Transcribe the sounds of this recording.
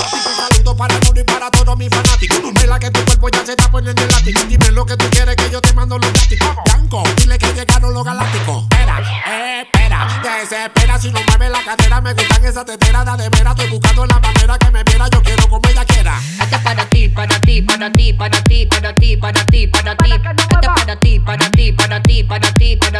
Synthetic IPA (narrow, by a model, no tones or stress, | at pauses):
sisusalut̪opaɾat̪oðipaɾat̪oðomĩfanat̪ikoomelaket̪upepoɲaset̪aponenelat̪ikod̪imeloket̪ukjeɾekeʝot̪emãnd̪oloat̪ikobjaŋkod̪ilekeɲeɣanoloɣalak̚t̪ikopeɾa̰epeɾa̰kesepeɾasinõmamelakareɾameβit̪aŋesat̪et̪eɾaðaðeβeɾat̪ojβukad̪olamaneɾakemepeɾaʝokjeɾokomoejakjeɾa̰ | at̪aaɾat̪it̪iat̪ip̪ipt̪it̪iat̪i | t̪it̪iat̪iat̪i